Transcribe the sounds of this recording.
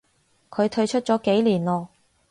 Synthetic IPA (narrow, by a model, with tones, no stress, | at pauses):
kʰɵ˨˧ɥt̪ʰɵ˧ɥt͡ʃʰɵ˥t̚t͡sɔː˨˥ke˨˥jliː˨˩nlɔː˨˧